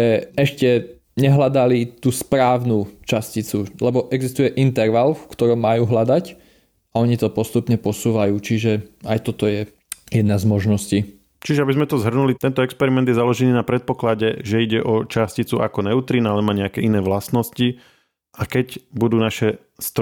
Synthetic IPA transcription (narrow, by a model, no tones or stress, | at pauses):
ɛɛʃcɛ | ɲɛɦlad̪alit̪uːspɾaːʊnut͡ʃascit͡sulɛbɔʔɛɡzist̪ujɛʔint̪ɛɾʋalfkt̪ɔɾɔmːajuːɦlad̪ac | aɔɲit̪ɔpɔst̪upɲɛpɔsuːʋajuːt͡ʃiʒɛajt̪ɔt̪ɔjɛ | jɛd̪nazmɔʒnɔsci | t͡ʃiʒɛabizmɛt̪ɔzɦr̩nulit̪ɛnt̪ɔɛkspɛɾimɛnd̪jɛzalɔʒɛniːnapɾɛt̪̚pɔklaɟɛʒɛiɟɛʔɔt͡ʃascit͡sua̰kɔnɛʊt̪ɾiːnaalɛmaːɲɛakɛinɛːʋlast̪nɔsci | akɛɟbud̪uːnaʃɛ | st̪